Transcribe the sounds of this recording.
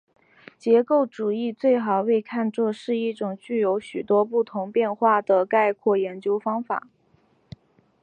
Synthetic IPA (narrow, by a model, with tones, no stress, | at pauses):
t͡ɕjɛ˧˥ko˥˩ʊʈ͡ʂu˨˩i˥˧t͡swe˥˩ɪxɑ˨˩ʊwe˥˧ɪkʰa˥˧nt͡swɔ˥˧ʂɻ̩˥˧i˥˩ʈ͡ʂʊ˨˩ŋt͡ɕy˥˩jo˧˥ʊɕy˨˩t̪wɔ˥p̬u˥˩t̪ʰʊ˧˥ŋpjɛ˥˧nxwa˥˩d̪ə˩ka˥˧ɪkʰwɔ˥˩jɛ˧˥nt͡ɕjo˥ʊfɑ˥ŋfa̰˨˩˦